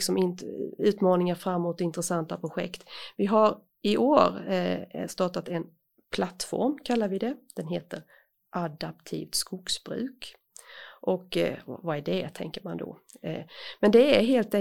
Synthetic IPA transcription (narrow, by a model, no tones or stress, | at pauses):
ksɔmɪnʉ̟ːt̪mɑːnɪŋaɾfɾamːuːt̪ɪnt̪ɾɛsant̪apʰɾʊɧɛ̰kt̪vɪɦaɾ | ɪʔoːɾ | st̪ɑːʈat̪ɛn | pʰlat̪fɔ̰ɾmkʰalːaɾvɪd̪ɛd̪̥ɛnɦeːt̪əɾ | ʔad̪ap̚t̪ʰḭːvt̪skʊksbɾʉ̟̰ːk | ʔɔkvaæɖɛt̪ʰɛ̰ŋkəɾmand̪ɔ̰ | mɛnd̪ɛæɾɦeːlt̪ɛ